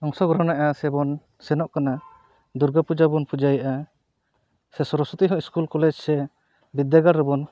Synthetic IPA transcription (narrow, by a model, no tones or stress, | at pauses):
ɔŋsɔɡɾɔnaʔasɛbɔn | sɛnɔʔkana | d̪uɾɡapud͡ʒabɔnpud͡ʒajʔa | sɛsɔɾɔsɔt̪iɦɔ̃iskulkɔlɛd͡ʒsɛ | bid̪jaɡaɾɾəbɔn